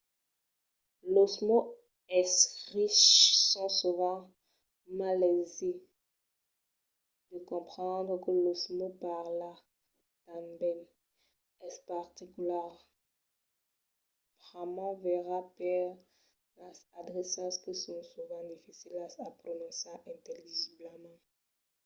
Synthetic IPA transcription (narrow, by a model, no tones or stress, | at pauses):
losmo | ɛsʁiʃsɔ̃suvɑ̃ | malɛze | d̪̥əkɔ̃pχɑ̃d̪ʁəkəlosmopaʁla | t̪ãmbɛn | ɛspaʁt̪ikyla | pʁamãvɛʁapɛʁ | lasad̪ʁesɑ̃skəsɔ̃suvɑ̃d̪ifisilaapχonɔ̃saʔɛ̃t̪eliʒibləmɑ̃